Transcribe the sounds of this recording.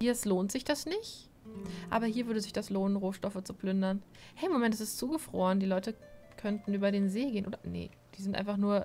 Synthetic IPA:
hiːɐsloːntz̥ɪçd̥asnɪçt | ʔaːbɐhiːɐvʏɐɾəzɪçd̥asloːnənʁoːʃtɔfət͡supl̥ʏndɐn | hɛmomɛntɛsɪstt͡suːɡəfʁ̥o̰ːʁəndiːlɔʏtəkʰœntn̩ʔyːbɐɾeːnzeːɡeːənʔoːdɐnḛ | d̥iːzɪntʔa̰ɪnfaχnuːɐ

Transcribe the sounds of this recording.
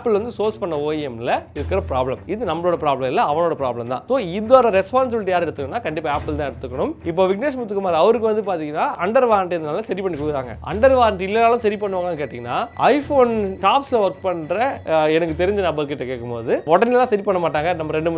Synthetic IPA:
pːɪlʋɐnd̪ɯsoːspɐɳːɐoːjɪɛmlɐɪɾɯkːɪɾɐpɾaːblɐmɪðɯnɐmːɐɭoːɽɐpɪɾaːblɐmɪlːɐɐʋɐɳoːɽɐpɪɾaːblɐmt̪ã̰ːsoːɪðoːɾɐɾɛspaːns̬ɪbɪlɪʈːijaːɾɛɽɯt̪ːɯkːɐnːaːkɐɳɖɪpːaːaːpːɪlt̪ãːɛɽɯt̪ːɯkːɐɳɯmɪp̬ːoːʋɪkneːs̬mut̪ːɯkːɯmaːd̪ɾiɐʋɐɾɯkːɯʋɐnd̪ɯpaːɾt̪iŋɡɐnːaːʔɐɳɖɐɾʋaːɾɐɳʈɐnd̪naːlːasɐɾipɐɳːikuɪɾaːŋɡɐ̰ʔɐ̰ɳɖɐɾʋaːɾɐɳʈɪlːɐnaːlɐ̃sɐɾipɐɳːɯʋaːŋɡaːkeːʈːɪŋɡɐnːa̰ːɐɪfoːnʈaːpslɐʋɐɾk̚pɐɳɖɾɐɛnɐkːɯt̪ɛɾɪɲd͡ʒɯnɐbɐɾkɪʈːɐkeːkːɯmpo̰ːðɯɔɽɐnɪllːãːsɐɾipɐɳːɐmaːʈ̬ːaːŋɡɐnɐmːɐɾɛɳɖɯm

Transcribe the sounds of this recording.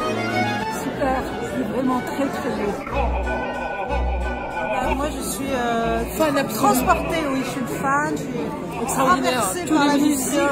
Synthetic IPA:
sypɛʁsɛvʁɛmɑ̃t̪χɛt̪χɛbo | amwaʒəsɥiəfanɛt̪χɑ̃spɔʁt̪ewiʃud̪fati | ɛkst̪χɑʁd̪inɔɛʁset̪puaʁlamisjɔ̃

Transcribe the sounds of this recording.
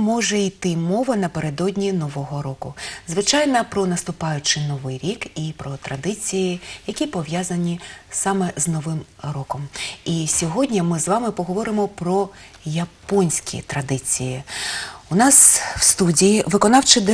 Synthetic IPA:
mɔʒɛijt̪ɪmɔʋɐnɐpeɾed̪ɔdʲnʲinɔʋɔɦɔɾɔkʊzʋɪt͡ʃɑjnɐpɾɔnɐst̪ʊpɑjʊt͡ʃɪnɔʋɪjɾʲikipɾɔt̪ɾɐd̪ɪt͡sʲijijɐkʲipɔʋjazɐnʲisɑmɛznɔʋɪmrɔkɔmisʲɔɦɔdʲnʲɐmɪzʋɑmɪpɔɦɔʋɔɾɪmɔpɾɔ | jɐpɔnʲsʲkʲḭt̪ɾɐd̪ɪt͡sʲiji | ʊnɑsw̥st̪udʲijiʋɪkɔnɑwt͡ʃɪd̪

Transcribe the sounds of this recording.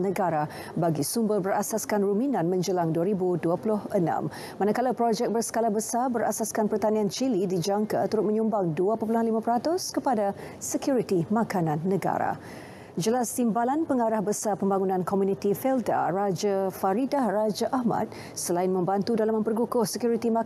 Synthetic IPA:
nəɡaɾa | baɡisumbərbərasaskanruminãnmə̃ɲd͡ʒəlaŋduaɾibuduapulʊhənã̰mː | anakalapɾɔd͡ʒɛk̚bərsə̥kalabəsarbəɾa̰saskanpərt̪aniant͡ʃilidid͡ʒaŋkat̪əɾʊt̪̚mə̃ɲumbaŋduapəpulanlimãpəɾat̪ʊskəpada | səkjuɾit̪imãkanãnːəɡa̰ɾa̰ | d͡ʒəlast̪imbalanpəŋaɾahbəsapəmbaŋunãnkʰɔmunit̪ifɛlda̰rad͡ʒafaɾidahrad͡ʒaʔahmã̰t̪̚ | səlaɪnmə̃mbant̪udalamə̃mpərɡukʊhsəkjuɾit̪ima

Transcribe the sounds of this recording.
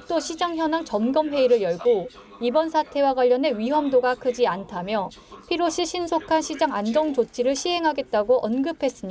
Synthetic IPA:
t͈oɕʰid͡ʑaŋçjʌnaŋt͡ɕʌmɡʌmɦe̞iɾɯɭjʌɭɡo | ibʌnsʰatʰe̞waɡwaʎːʌne̞ɥiɦʌmdoɡakʰɯd͡ʑiantʰamjʌ | pʰiɾoɕʰiɕʰinsʰokʰanɕʰid͡ʑaŋand͡ʑʌŋd͡ʑot͡ɕʰiɾɯɭɕʰiɦe̞ŋɦaɡe̞t̚t͈aɡoʔʌnɡɯpʰe̞s͈ɯmɲida

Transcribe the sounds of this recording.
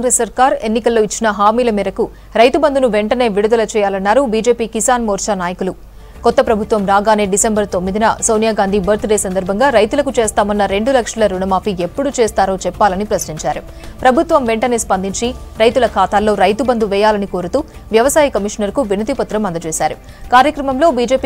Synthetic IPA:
aŋɡɾesːɐɾkaːɾe̞nːikɐlːo̞ːit͡ʃːinɐɦaːmiːlɐmiːɾɐku | ɾɐjt̪ubɐnd̪unuʋeɳʈɐne̞ːʋiɽud̪ɐlɐt͡ʃɛːjaːlɐnːaːɾubiːd͡ʒeːpiːkisaːnmoːɾt͡ʃaːnaːjɐkulu | kɔt̪ːɐpɾɐbʱut̪ʋɐmɾaːɡaːne̞ːɖisembɐɾt̪o̞mːid̪inɐsoːwnijaːɡaːnd̪ʱibʱɐɾt̪uɽeːsɐnd̪ɐɾbʱɐŋɡaːɾɐjt̪ulɐkut͡ʃeːst̪aːmɐnːɐɾe̞ɳɖulɐkʂɐlɐɾunɐmaːpʰiepːuɽut͡ʃeːst̪aːɾo̞ːt͡ʃɛpːaːlɐnipɾɐsniɲt͡ʃaːɾu | pɾɐbʱut̪ʋɐmʋeɳʈɐne̞ːspɐnd̪iɲt͡ʃiɾɐjt̪ulɐkʰaːt̪aːlːo̞ːɾɐjt̪ubɐnd̪uʋɛːjaːlɐniko̞ːɾut̪uː | ʋjɐʋɐsaːjɐkɐmiʂnɐɾkuʋinɐd̪ipɐt̪ːɾɐmɐnd̪ɐt͡ʃɛːsaːɾu | kaːɾjɐkɾɐmɐmlo̞ːbiːd͡ʒeːpː

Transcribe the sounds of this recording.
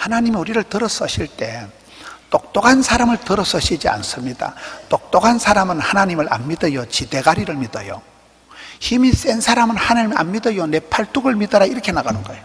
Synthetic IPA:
hanaɲimiuɾiɾɯɭtɯɾʌs͈ʌɕʰiɭt͈e̞ | t͈ok̚t͈oɡansʰaɾamɯɭtɯɾʌs͈ʌɕʰid͡ʑia̰nsɯmɲida̰t͈ok̚t͈oɡansʰaɾamɯnhanaɲimɯɭʔa̰nmidɯjot͡ɕid̥e̞ɡaɾiɾɯɭmidʌjo̰ | çimis͈ensʰaɾamɯnhanɯɭa̰nmidɯjone̞pʰaɭt͈uɡɯɭmidʌɾaiɾʌkʰe̞naɡanɯnɡʌejo

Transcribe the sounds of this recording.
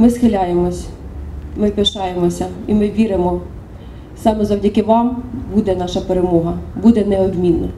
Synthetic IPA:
mɪsxɪlʲajemɔsʲ | mɪpʲeʃɑjemɔsʲɐimɪʋʲiɾɪmɔ | sɑmɛzɐwdʲɐkɪʋɑmbud̪ɛnɑʃɐpeɾemɔɦɐbud̪ɛnɛɔbmʲinːɐ̰

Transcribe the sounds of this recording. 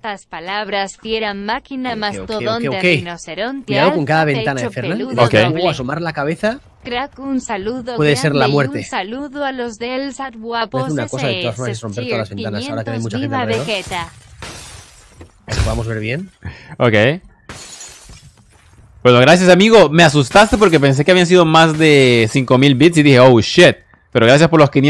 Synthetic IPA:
st̪aspalaβɾast̪jeɾammakinamaooekeokenoseɾont̪miɾaðoko̞ŋkaðaβe̞nt̪anaðefeɾnaeokeooasomaɾlakaβ̞eθa | kɾakunsaluðoweðese̞ɾlamwe̞ɾe̞saluðoalozðelsat̪βwaθeɾunakoaðet̪oasfoɾmassesro̞mpeɾt̪oðalazβent̪anasaoɾak̪enajmut͡ʃaxet̪oet̪a | aspoðamo̞zβeɾβje̞nokej | bwenoɣɾasjasamiɣo̞me̞as̬ust̪ast̪e̞p̬o̞ɾk̬epe̞ns̬e̞keaβians̬iðo̞mazðe̞siŋko̞milβit̪s̬iðixeowʃet̪̚ | peɾo̞ɣɾasjaspoɾlo̞skinje

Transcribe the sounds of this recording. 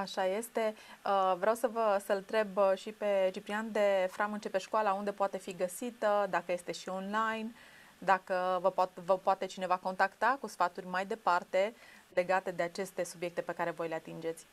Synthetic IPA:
aʃaje̞st̪e̞əvɾeawsəvəsəlnt̪ɾe̞bʃipe̞t͡ʃipɾiand̪e̞fɾamɨnt͡ʃe̞pe̞ʃkoalaund̪e̞poat̪e̞fiɡəsit̪əd̪akəje̞st̪e̞ʃio̞nlajn | d̪akəvəpat̪vəpoat̪e̞t͡ʃine̞vako̞nt̪akt̪akusfat̪urʲmajd̪e̞part̪e̞le̞ɡat̪e̞d̪e̞at͡ʃe̞st̪e̞subje̞k̚t̪e̞pe̞kaɾe̞vo̞jle̞at̪ind͡ʒe̞t̪sʲ

